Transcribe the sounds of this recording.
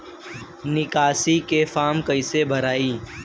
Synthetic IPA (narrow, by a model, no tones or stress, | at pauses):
nɪkaːsikefaːmkəɪsebʱəɾaːiː